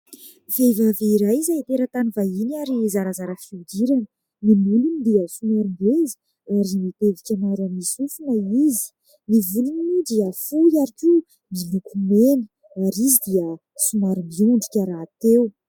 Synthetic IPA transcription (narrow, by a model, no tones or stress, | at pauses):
vevaveiɾajzait̪eɾət̪anivainaɾizaɾazaɾəfiudiɾanə | nimulunid̪iəsumaɾumbezi̥ | aɾimit̪evikʲamaɾamisufunəizi̥ | nivulininudiəfujaɾikʲu | milukʰumeni̥ | aɾizid̪iə | sumaɾumbiuɳɖ͡ʐikʲaɾaːt̪ew